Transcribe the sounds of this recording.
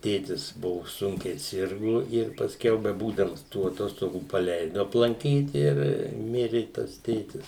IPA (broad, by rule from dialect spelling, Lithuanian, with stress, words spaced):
ˈtʲeːtʲɪs ˈbʊʋʊ ˈsʊŋʲkʲɛɪ ˈsʲɪrɡʊ ɪr pɐsʲˈkʲɛʊ bʲɛˈbuːdɐms tuː ɐˈtoːstoːɡuː pɐˈlʲɛɪdʊ ɐplˠɐŋʲˈkʲiːt ɪr ˈmʲɪrʲɪ tɐs ˈtʲeːtʲɪs